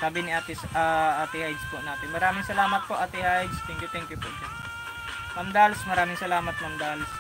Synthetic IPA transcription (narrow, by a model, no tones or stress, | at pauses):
saːbɪnɪʔaːt̪ɪsʔaʔaːt̪ɪhajd̪spʊʔnaːt̪ɪnmɐɾaːmɪŋsɐlaːmɐt̪̚poʔaːt̪ɪhajd̪st̪ɛŋkjʊt̪ɛŋkjʊpʊ̰ʔd͡ʒɐn | mɐmd̪alsmɐɾaːmɪŋsɐlaːmɐt̪̚mɐmd̪als